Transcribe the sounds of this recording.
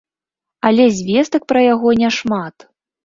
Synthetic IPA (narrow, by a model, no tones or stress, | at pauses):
ɐlʲɛzʲvʲɛst̪ɐk̚pɾɐjaɣɔnʲɛʂmat̪